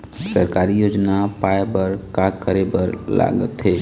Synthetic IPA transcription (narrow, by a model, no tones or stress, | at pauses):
səɾkaːɾijoːd͡ʒnapaːebəɾkakəɾebəɾla̰ːɡə̰t̪ɦɛː